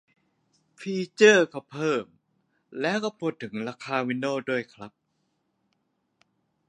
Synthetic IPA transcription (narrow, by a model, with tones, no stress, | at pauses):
fʰiː˧t͡ɕɤː˥˩kɔː˥˩pʰɤː˥˩m | lɛː˦˥wkɔː˥˩pʰuː˥˩t̪ʰːɯ˩˦ŋɾaː˧kʰaː˧wi˧˥nːoː˥˩du˥˩əjkʰɾa˦˥p̚